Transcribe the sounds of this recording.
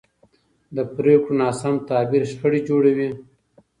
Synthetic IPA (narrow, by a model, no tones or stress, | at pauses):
d̪əpɾekɽonɑːsamt̪ɑːbiɾʃxəɽid͡ʒoɽawi